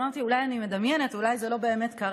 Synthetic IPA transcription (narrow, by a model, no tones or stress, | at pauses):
aʁt̪iulajanime̞d̪ɐmjene̞t̪ulajzelo̞be̞ːme̞t̪kɐʁ